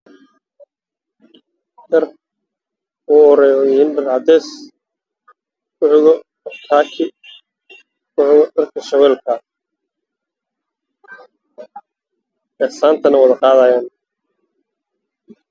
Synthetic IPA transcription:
dɐr | ɔɔɾɛjɔjɪhiːnɖɐrʕɑd̪ɛːs | kʰʊħɣɔ | ɔk̪ʰaːkʰɪ | kʰʊħɣɔdɐrkʰɐʃɐwɛːlkʰɐ | ɛsaːnt̪ʰɐnɐwɑðɐqɑːðaːjaːn

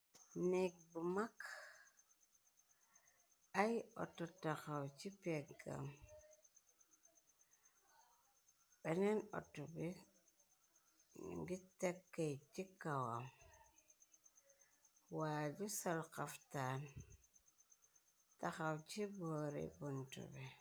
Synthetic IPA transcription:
nik̚bumak | ajɔ̰tːɔtaxawt͡ʃipeɡa̰m | ɓenenɔ̰tːɔbi | nḭŋɡitekːejt͡ʃikawam | waːd͡ʒusalkaftaːn | taxawt͡ʃibɔːɾḛbuntṵbi

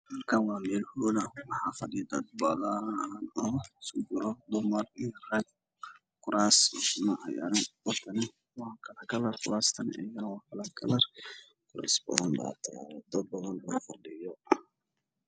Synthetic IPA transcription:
mɐrkʰawɑːmɛːlhɔðɐwɑħɑːfɑɖɪjd̪ɐd̪̚bɐðɐnɔːsʊɡʊɾɔd̪ʊmɐrijrɛːɡ | kʰʊɾaːsmɐʔɑja̰ːɾɐwɑrt̪ʰɐnɪ | wɑkʰɐlɐkʰɐlɐrkʰʊɾaːst̪ʰɐnɛ̰jɐnɐwɑːkʰɐlɐkʰɐ̰lɐr | kʰʊɾa̰ːsbɐ̰ðɐnba̰t̪ʰɐd̪ɐd̪̚bɐðɐnlɔfɑɖɪjɔ

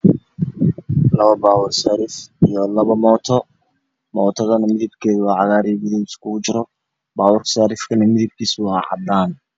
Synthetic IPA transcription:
lɐβɐbaːwʊrsaːɾɪfijɔlɐβɐmɔːt̪ʰɔ | mɔːt̪ʰɔðɐnɐmɪðɪbkʰɛːðwɑːʕɑɣaːɾibɪðɛɪskʰʊʊt͡ʃɪɾɔ | baːwʊrsaːɾɪfkʰɐnɐmɪðɪb̚kʰiːswɑħɑ̰d̪aːn

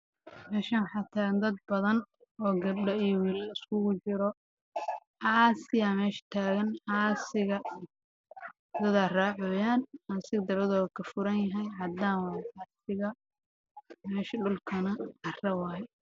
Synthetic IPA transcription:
mɛːʃɐnwħɑːt̪ʰaːɣɐnd̪ɐd̪̚bɐðɐn | ɔːɡɐbɖɐijɔwiːlɐɪskʰʊɣʊt͡ʃɪɾɔ | ʕɑːsɪjamɛːʃɐ̥t̪ʰaːɣɐnʕɑːsɪɣɐ | d̪ɐðaːraːʕɔːjaːnaːsɪɣɐd̪ɐβɐðɔːkʰɐfʊɾɐnjɐɦɛjɦɐd̪aːwɑɛʕɑːsɪɣɐ | mɛːʃɐɖʊlkʰɐnɐɡɐrɐwɑːɦɛ

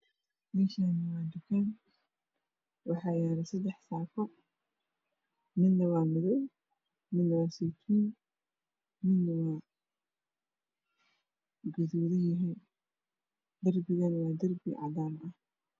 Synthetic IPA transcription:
mɛːʃanɐwaːd̪ʊkʰɛn | wɑħɑːjaːɾɛsɐd̪ɛħsaːkɔ | mɪnnːɐwaːmɪðɛw | mɪnːɐwaːsit̪ʰiːn | mɪd̪ːɐwaː | ɡʊðuːðɐjɐɦɛ | d̪ɐrbɪɣɐnwaːd̪ɐrbɪ̰ʕɑ̰daːmʔɐh

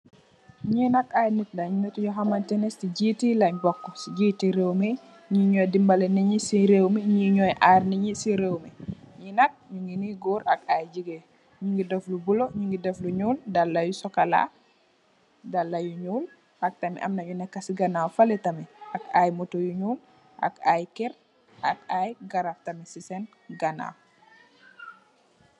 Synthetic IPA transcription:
ɲinak̚ajnit̚laɲumitɲɔxamantɛnesiɟitilaɲbɔkːɔsiɟiːtiɾewme | ɲiɲɔjdimbaleniɲisiɾewmiɲiɲɔjʔaːɾniɲisiɾewmɛɲinak̚ɲuŋɡiniɡuɾakajd͡ʒiɡe | ɲuŋɡidoflubuloɲuŋɡidɛfluɲuːldalːajusɔkala̰ | dalːajuɲuːl | ɐk̚tɐmḭʔɐ̰mnɐɲunɛkːasiɡanawfalɛtɐmɛakajmotojuɲuːl | ʔa̰kajkɛɾ | ʔak̚ajɡaɾaftɐmɛsisɛn | ɡana̰w

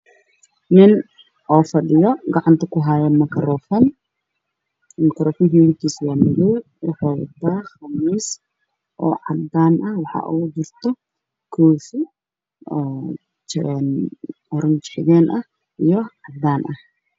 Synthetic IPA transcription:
nɪn | ʔɔːfɐɗɪjɔɡɑʕɑnt̪ʰɐkʊɦaːjɛmɐkʰɐɾɔːfɐn | mɐkʰɐɾɔːfɪnkiːmɪk̪ʰiːswaːmɪlɛ | wʊħɔːwɐ̰t̪ʰːaːxɐmiːs | ʔɔ̰ːʕɑd̪aːnʔɐhwɑħɑ̰ʔud͡ʒɪrt̪ʰɔ | kʰɔːfiː | n | ɔɾɐnt͡ʃɪħɪɣɛːnʔɐh | ʔijɔʕɑd̪aːnʔɐh

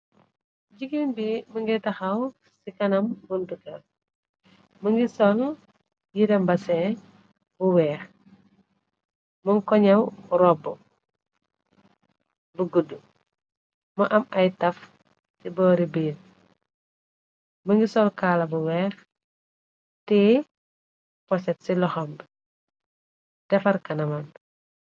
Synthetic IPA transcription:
d͡ʒiɡimbiməŋɡɛtɐxɐw | sikɐnɐmbuntukɐ | məŋɡisɔl | jidɐmbɐsɛ | buwɛːx | məŋkɔɲɐwɾɔbu | buɡədːu | mɐʔɐmɐjtɐf | sibɔːɾibiːn | bəŋɡisɔlkaːlɐbuwɛːx | tɛ | pɔsɛtsilɔxɔm | dɛfɐrkɐnɐmɐn

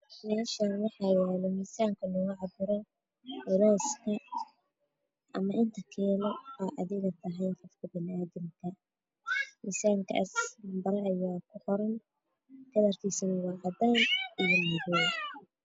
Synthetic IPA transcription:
mɛːʃaːnwɑħɑːjɛːlɛmiːsaːŋkʰɐnɔɣʊʕɑbʊɾɔ | ʊɾɔːskʰɐ | ʔɐmɐʔɪnt̪ʰɐkʰɛːlɔaːʔɐðɪɣɐt̪ʰɐɦɛjnqɔfkʰɐbɪnaːðɪmkʰɐ | miːsaːŋkʰɐ̰ʔɐsmbɐɾɛɐjaːkʰʊqɔɾɐn | kʰɐðɐrk̪ʰiːsɐnwɑːʕɑd̪aːnijɔmʊðɔ

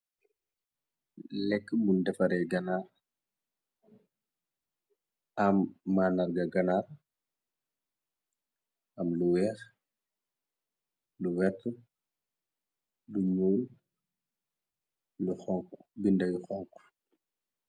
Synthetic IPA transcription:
lɛkːbundɛfɐɾɛjɡɐnaːr | ɐmːaːnɐrɡɐɡɐnaːr | ɐmluwɛːx | luwɛtʰː | luɲuːl | luxɔŋkbindɐjuxɔŋku̥

